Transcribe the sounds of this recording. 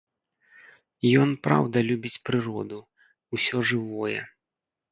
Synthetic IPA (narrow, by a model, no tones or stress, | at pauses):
jɔnpɾa̰wd̪ɐlʲubʲit͡sʲpɾɨɾɔd̪u | wsʲɔʐɨvɔjɛ̰